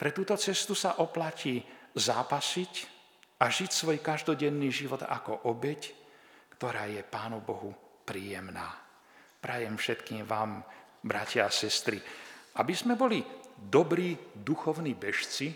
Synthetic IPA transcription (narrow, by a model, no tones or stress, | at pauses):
pɾɛt̪uːt̪ɔt͡sɛst̪usaʔɔplaciːzaːpasic | aʒicsʋɔjkaʒd̪ɔɟɛnːiːʒiʋɔd̪a̰kɔʔɔbɛckt̪ɔɾaːjɛpaːnubɔɦupɾiːjɛmna̰ː | pɾajɛmfʃɛt̪kiːmʋaːm | bɾacaasɛst̪ɾiabizmɛbɔlid̪ɔbɾiːd̪uxɔʊniːbɛʃt͡si